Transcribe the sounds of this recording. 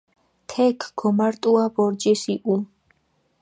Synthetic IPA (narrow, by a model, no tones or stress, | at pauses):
t̪ʰɛkʰɡɔmaɾt̪ʼuabɔɾd͡ʒɛsiʔum